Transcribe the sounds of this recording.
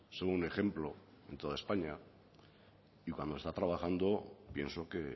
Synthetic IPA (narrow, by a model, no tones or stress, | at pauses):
soɣune̞xe̞mplo̞ | e̞nt̪oðae̞spaɲa | ikwa̰nd̪oest̪at̪ɾaβ̞axand̪o̞pje̞̰nso̞ke̞